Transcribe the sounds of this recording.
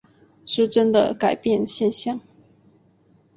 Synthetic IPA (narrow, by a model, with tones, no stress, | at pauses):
ʂɻ̩˥˩ʈ͡ʂə˥nd̪ə̰˨ka˨˩ɪpjɛ˥˧nɕjɛ˥˧nɕjɑ˥˩ŋ